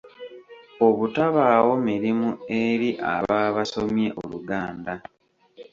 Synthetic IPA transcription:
oβutaβawo̞miɾimueɾiʔa̰βaːβaso̞mje̞ʔo̰luɡaːnda

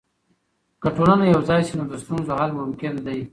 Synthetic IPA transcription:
kəʈolanajawzɑjsinod̪əst̪unzohalmʊmkɪnd̪aj

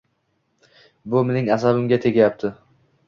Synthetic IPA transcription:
bʊmenɪŋasabɪmɡʲat̪ʰe̞ɡʲajap̚t̪ʰɪ

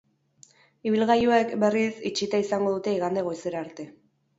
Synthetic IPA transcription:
iβ̞ilɣajuekbe̞risit͡ʃit̪aisaŋɡo̞ð̞ut̪e̞iɣand̪eɣo̞jseɾaːɾt̪e̞

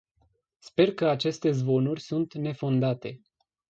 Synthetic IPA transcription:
spe̞rkəat͡ʃe̞st̪e̞zvo̞nurʲsunt̪ne̞fo̞nd̪at̪e̞

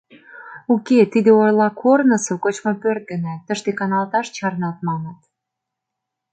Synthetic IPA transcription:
uket̪id̪eojlɑkʰornə̆sokot͡ɕmopørt̪̚ɡə̆næt̪ːəʃt̪ekɑnɑlˠt̪ɑʃt͡ɕɑrnɑlt̪̚mɑnət̪

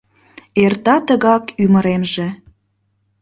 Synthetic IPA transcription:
ert̪ɑt̪əɣɑkyməɾemʒĕ

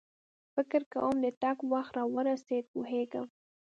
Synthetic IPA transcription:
fɪkɾka̰wəmd̪ət̪akwaxt̪ɾɑwəɾased̪̚poɦeɡəm

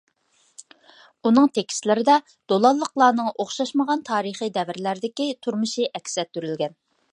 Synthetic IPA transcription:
unɨŋt̪ʰekʲi̥st̪lɪɾɪd̪ɛ | d̪̥olˠɑlˠːəqlˠɑːnɨŋʔoχʃɑʃməʁɑnt̪ʰɑːɾəχijd̪ɛvɪɾlæɾɪd̪ɪkʲit̪ʰuɾmɨʃiʔɛkʲsɛt̪ːyɾylɡʲɛn

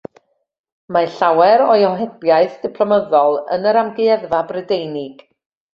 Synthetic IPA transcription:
maɬawɛɾɔjɔɦɛbjaɨθd̥ɪpʰlˠɔməðɔlˠə̰nəɾamɡɨɛðvabrɛdejnɪɡ̥

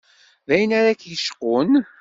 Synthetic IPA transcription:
ðæjənaɾakjəʃqʊn

